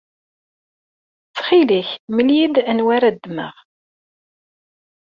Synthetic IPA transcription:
t͡sːχiliçməljid̪ænwaɾæd̪ːmə̰ʁ

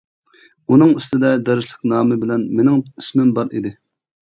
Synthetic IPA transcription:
unɨŋyst̪ɪd̪ɛd̪ɛɾɪʃlɪk̚ʲnɑːmɨbɪlɛnmenɪŋi̥smɪmbɑɾid̪ɪ

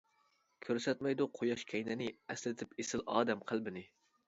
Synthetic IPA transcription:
kʲʰøɾsɛt̪mɛjd̪uqʰojɑʃkʲʰɛjnɛnɪɛslɪt̪ʰɪpesɪlɑːd̪ɛmqʰəlˠbɪnɪ

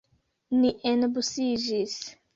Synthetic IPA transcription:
niʔenbusid͡ʒis

